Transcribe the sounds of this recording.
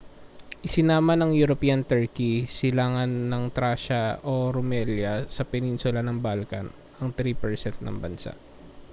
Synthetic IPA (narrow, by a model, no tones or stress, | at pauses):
ʔɪsɪnaːmɐnɐŋjʊɾopiːjɐnt̪ɛɹkisɪlaːŋɐnːɐŋt̪ɾaːʃɐʔoɾomɛljɐsɐpɛninsʊlɐnɐŋbalkɐn | ʔɐŋt̪ɾiːpɛɹsɛnt̪̚nɐ̰ŋbɐnsa̰ʔ